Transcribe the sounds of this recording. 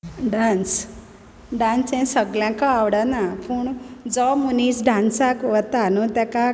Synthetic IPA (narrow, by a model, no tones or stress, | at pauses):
ɖans | ɖãnsɛ̃səɡljãkaawɽanapuːɳd͡zɔmunisɖãnsakʋət̪anɔt̪aka